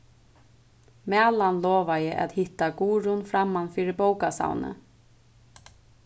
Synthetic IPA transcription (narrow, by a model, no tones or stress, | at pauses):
mæːlanlɔːʋajɪʔa̰t̪hɪt̪ːaɡuːɾʊnfɾamːanfiːɾɪboːwkasa̰wnə̰